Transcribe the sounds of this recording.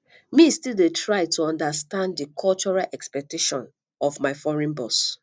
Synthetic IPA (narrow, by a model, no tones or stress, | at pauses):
mistildetʰɹaɪtuɔ̃ndastãnddikʰɔlt͡ʃɔɹalʔɛkspɛk̚teʃɔ̃n | ɔvmaɪfɔɹĩnbɔs